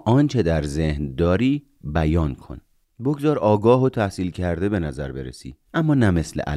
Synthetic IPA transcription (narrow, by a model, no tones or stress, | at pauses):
ʔɒːnt͡ʃʰe̞d̪æɾzehnd̪ɒːɾiː | bæjɒːnkʰo̰n | boɡzɒːɾɒːɡɒːɦot̪ʰæhsiːlcʰæɾd̪e̞be̞næzæɾbe̞̰ɾḛsḭːʔæmːɒːnæme̞slḛʔæ̰